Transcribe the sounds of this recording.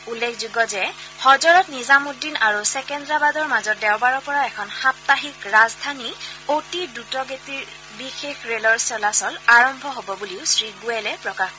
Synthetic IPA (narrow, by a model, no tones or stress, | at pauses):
ulːekʰzuɡɔzɛhɔzɔɹɔtnizamudːinaɹusɛkɛndɹabadɔɹmazɔt̚dɛwbaɹɔɹpɔɹaɛkʰɔnxap̚taɦikɹazdʱaniotidutɔɡetiɹ | bixexɹelɔɹsɔlasɔlaɹɔmbʱɔɦobɔbuliʊsɹiɡuɛlɛpɹɔkax